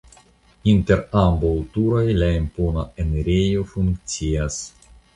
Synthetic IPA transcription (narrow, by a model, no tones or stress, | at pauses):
int̪eɾambawt̪uɾajlaimponaeneɾejofuŋkt͡sias